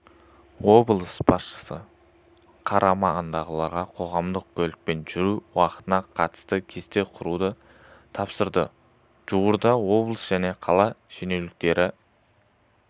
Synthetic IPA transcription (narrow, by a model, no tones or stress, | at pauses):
wo̞blˠəsbɑsʃə̥sə̰ | qʰɑɾʔɑmɑənd̪ɑʁəlˠɑɾʁɑqʰo̞ʁɑmd̪əq̚kʲʰɵlɪk̚pe̞nʒʏɾuwɑqə̥t̪ənɑqʰɑt̪ə̥st̪əkʲʰe̞st̪e̞qʰʊɾud̪ə | t̪ʰɑpsəɾd̪ə | ʒ̥uwəɾd̪ɑwo̞blˠəsʒ̥æne̞qʰɑlˠɑʃene̞wlɪk̚t̪e̞ɾʔɪ